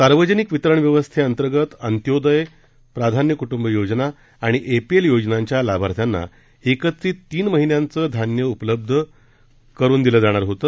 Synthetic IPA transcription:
saɾʋəd͡ʑənikʋit̪ɾəɳʋjəʋəst̪ʰeənt̪əɾɡət̪ənt̪jod̪əj | pɾad̪ʱanjəkuʈumbəjod͡ʑnaː | ɽ̃iʔepieljod͡ʑnaɲt͡ɕjalabʱaɾt̪ʰjanːa̰ | ekət̪ːɾiːt̪ːiːnməɦinjãnt͡səːd̪ʱanjəupələb̚d̪ʱə | kəɾuːnd̪iləːd͡zaɽ̃aɾɦot̪ə

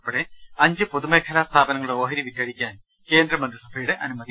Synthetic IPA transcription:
pːoɽeɐɲd͡ʑɨpoðumeːkʰɐlaːst̪ʰaːbɐnɐŋːɐɭɽeoːɦɐɾiʋikːɐɽikʲːaːn | ke̞ːnd̪rɐmɐnd̪ɾisɐbʱɐjuɽeʔɐnumɐd̪i

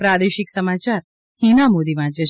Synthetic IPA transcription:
pɾad̪eʃiksəmat͡ʃaɾ | hinamod̪iʋãd͡ʒe

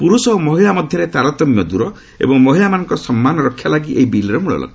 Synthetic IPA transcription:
puɾusɔɦomɔɦilamɔd̪ʱjɔɾet̪aɾɔt̪ɔmjɔd̪uɾɔ | ḛbɔŋmɔɦilamanɔ̃ŋkɔsɔmːanɔɾɔkʰːjalaɡiʔeɦibilɾɔmuɭɔ̰lʔɔ̰ɡ

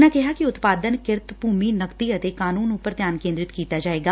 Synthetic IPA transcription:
naːkɛɦaːkiʊt̪paːd̪ənkɪɾt̪buːmiːnəkt̪iːət̪eːkaːnuːnʊpːəɾt̪jaːnkẽːnd̪ɾɪt̪kiːt̪aːd͡ʒaːeːɡaː

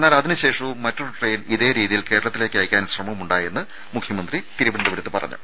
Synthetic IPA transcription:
nːaːlɐðinɨɕe̞ːʂɐʋumːɐtːoɭʈreːjniðe̞ːɾiːðijilke̞ːɾɐɭɐt̪ːile̞ːkːɨaːjkʲːaːnɕrɐmɐmuɳɖaːje̞nːɨ | mukʰjɐmɐnd̪rit̪iɾuʋiɽɐnd̪ɐʋiɾut̪ːɨpɐ̰rɐ̰ɲːṵ

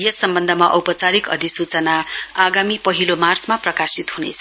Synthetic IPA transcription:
jʌsːʌmbʌnd̪ʱʌmaʔʌwpʌt͡saɾikʌ̰d̪ʱisut͡sʌnaaɡamipʌɦilomart͡smaprʌkasit̪ɦunḛt͡sʰʌ

